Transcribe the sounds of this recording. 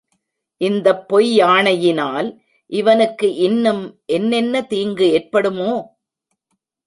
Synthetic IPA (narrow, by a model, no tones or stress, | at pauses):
ʔɪnd̪ɐpːɔjaːɳɐjɪnaːl | ʔɪʋɐnɯkːɯʔɪnːɯmʔɛnːɛnːɐt̪iːŋɡɯeːrpɐɽɯmoː